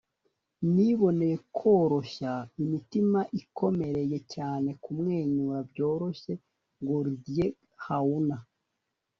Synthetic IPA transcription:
niβo̞ne̞je̞kʰo̞ːɾo̞ʃaimitimaʔikʰo̞me̞ɾeje̞caːne̞kumŋe̞ːɲuɾabɟo̞ːɾo̞ʃe̞ | ŋɡoɾudije | hauna

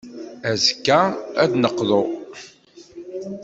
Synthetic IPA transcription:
æzkːææd̪nəqːðo

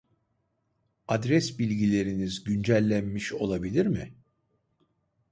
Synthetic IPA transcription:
ad̪ɾɛsbilʲɟilʲe̞ɾinizɟynd͡ʒælʲːænmiʃo̞lˠabilʲiɾmɪ

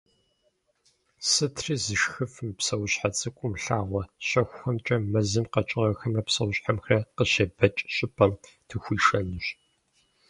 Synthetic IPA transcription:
sɨtʰriːzɨʃxɨfɨmpsɐwɕħat͡sʼɨkʷʼʊmɬaːʁʷɔɕɐxʷxɔmt͡ʃʼɐmɐzɨmqɐt͡ʃʼɪʁɐxɐmɐpsɐwɕħamxrɐqəɕɐbɐt͡ʃʼɕʼɪpʰʼɐm | tʰɨxʷiːʃɐnɨɕ

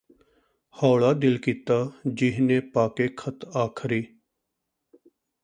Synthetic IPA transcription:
hɔːɭaːd̪ɪlkiːt̪aːd͡ʒɪɦneːpaːkeːkʰət̪aːkʰɾiː

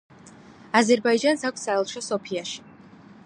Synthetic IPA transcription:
azɛɾbaid͡ʒansak̚ʷʰssaɛlˠʃɔsɔpʰiaʃi̥

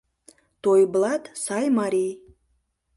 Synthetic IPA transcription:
t̪ojblˠɑt̪sɑjmɑɾʲij

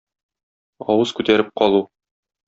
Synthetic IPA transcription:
ɒ̰wɤz̥kʉt̪æɾɘp̚qɒlˠu

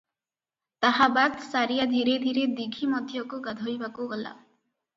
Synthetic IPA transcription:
t̪aɦabat̪saɾijad̪ʱiɾed̪ʱiɾed̪iɡʱimɔd̪ʱjɔkoɡad̪ʱojbakoɡɔla̰

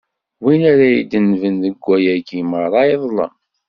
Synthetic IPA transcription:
winaɾæjid̪ənvənðəɡʷːæjæɡiməɾɾˤɑiðˤlɑ̰

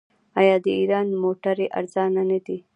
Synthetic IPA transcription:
ajɑːd̪əiɾɑːnmoːʈaɾeʔa̰ɾzɑːnanəd̪i

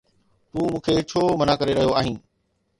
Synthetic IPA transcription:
t̪uːmũːkʰeːt͡ɕʰoːmənakəɾeɾɐɦijoaːɦĩː

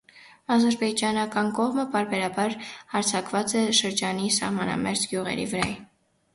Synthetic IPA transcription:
ɑd̪əɾbɛd͡ʒɑnɑkɑnkɔʁməpɑɾbɛɾɑbɑɾhɑɾt͡sʰɑkvɑt͡sɛʃəɾd͡ʒɑnisɑ̰hmɑnɑ̰mɛɾd͡ʒɡjuʁɛ̰ɾḭvəɾɑ̰jɛ

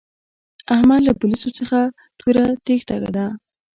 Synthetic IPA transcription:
ahmad̪lapʊlisot͡səxa | t̪ʰuɾat̪ext̪aɾa̰d̪a

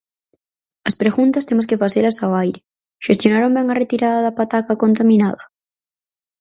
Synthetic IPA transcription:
ɐspɾeɣunt̪ɐst̪emos̬kefaθelɐsaoajɾɪ | ʃest̪jonaɾombɛŋɐret̪iɾaðɐðɐpat̪akakont̪amĩnaðɐ

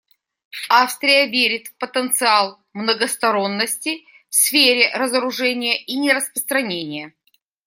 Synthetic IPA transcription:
afst̪ɾʲɪjəvʲeɾʲɪt̪pət̪ənt̪sɨalˠ | mnəɡəst̪ɐɾo̞nːəsʲtʲɪ | fsfʲeɾʲɪɾəzəɾʊʐɛnʲɪjəʔinʲɪɾəspɾəst̪ɾɐnʲenʲɪjə

